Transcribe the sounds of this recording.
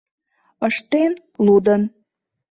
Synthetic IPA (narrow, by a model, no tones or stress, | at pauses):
əʃt̪en | lud̪ən